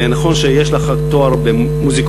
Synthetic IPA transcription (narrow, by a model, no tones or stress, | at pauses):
naχo̞nʃejeʃleχat̪oaɾbe | muzik